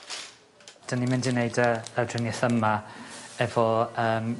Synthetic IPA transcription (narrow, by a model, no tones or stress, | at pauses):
d̥ənimɪndɪnejdəədrɪnjɛθəmaɛvɔəːm